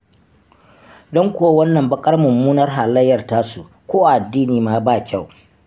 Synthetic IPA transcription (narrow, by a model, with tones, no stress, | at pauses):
dɔ˦ŋkʷoː˦wɐ˦nːɐ˨mbɐ˦kʼɐ˦rmʊ˨mːuː˦nɐ˦rɦaː˨lɐ˦jːɐ˨rtaː˦su˨ʔ | kʷoː˦ʔa˨dːiː˦niː˨maː˦˨baː˦˨kʲa˦˨w